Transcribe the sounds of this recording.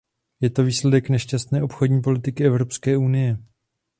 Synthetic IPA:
jɛt̪o̞viːslɛdɛknɛʃcast̪nɛːʔopxo̞dɲiːpo̞lɪt̪ɪkɪɛvɾo̞pskɛːunɪjɛ

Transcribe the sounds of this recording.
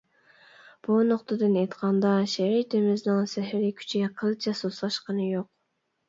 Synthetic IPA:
b̥unoqt̪ɨd̪ɨnejt̪qʰɑnd̪ɑʃeɾit̪emɪznɪŋsɛɦɪɾɪkʲʰy̥t͡ʃʰiɡʲɛqʰəlˠt͡ʃʰɛsoslˠɑʃqɑnɨjoq̚

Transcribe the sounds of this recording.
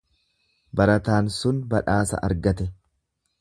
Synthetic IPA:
bɐɾɐt̪aːnsʊnbɐᶑaːsɐ̰ʔɐ̰ɾɡɐt̪ɛ

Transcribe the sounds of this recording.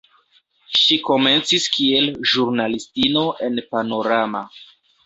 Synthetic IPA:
ʃiko̞me̞nt͡siskie̞lʒuɾnalistino̞ʔe̞npano̞ɾama̰

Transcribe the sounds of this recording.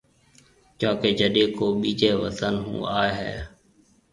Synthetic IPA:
t͡ʃãːkeːd͡ʒəɗẽːkoːɓiːd͡ʒeːʋət̪ənɦṵ̃ːaːeɦɛ̰ː

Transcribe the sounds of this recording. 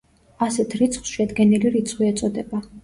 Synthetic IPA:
asɛt̪ʰɾit̪sʰχw̥sʃɛd̪ɡɛniliɾit̪sʰχwiɛt̪sʼɔd̪ɛba

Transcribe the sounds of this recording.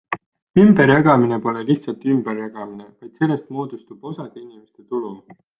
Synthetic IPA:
ymbe̞ɾjɑɡ̥ɑmine̞po̞leliçt̪sɑlt̪ˑymb̥erjɑɡ̥ɑmine̞vɑjd̪̥se̞lːe̞st̪mo̞ːd̪̥ust̪ub̥o̞sɑd̪̥einime̞st̪e̞t̪ulu

